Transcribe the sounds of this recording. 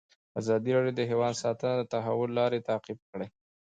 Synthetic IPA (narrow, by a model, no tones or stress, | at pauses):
azɑd̪iɾɑɖjod̪əɦewɑd̪sɑt̪ənad̪ət̪aɦawʊlːɑɾet̪aqib̚kəɽaj